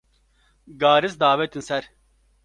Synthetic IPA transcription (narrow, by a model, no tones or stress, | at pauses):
ɡaːɾizd̪aːʋɛt̪insɛɾ